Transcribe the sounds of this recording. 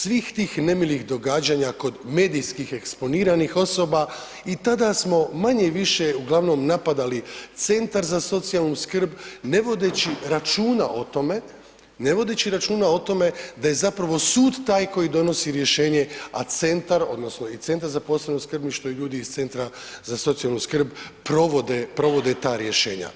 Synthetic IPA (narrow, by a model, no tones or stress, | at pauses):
sʋiːxt̪iːxne̞milixd̪o̞ɡaːd͡ʑaɲako̞d̪me̞ːd̪ijskixe̞kspo̞niːɾanixo̞so̞ːba | it̪ad̪asmo̞maɲe̞ʋiʃe̞uɡlˠaʋno̞mnapad̪alit̪se̞nt̪aɾzaso̞t̪sijalˠnuskr̩bne̞ʋo̞d̪et͡ɕiɾat͡ʃuːna̰ʔo̞t̪o̞me̞ | ne̞ʋo̞d̪e̞t͡ɕiɾat͡ʃuːnao̞t̪o̞me̞d̪aje̞zapɾaʋo̞suːd̪t̪ːaːjko̞jid̪o̞no̞siɾje̞ʃe̞ːɲe̞a̰t̪se̞nt̪aɾo̞̰d̪no̞sno̞it̪se̞nt̪aɾzaposlanoskr̩bniʃt̪o̞iʎuːd̪iːzt̪se̞nt̪ɾa | zaso̞t̪sijalˠnuskr̩bpɾoʋod̪epɾo̞ʋo̞d̪e̞t̪aːɾje̞ʃe̞ːɲa̰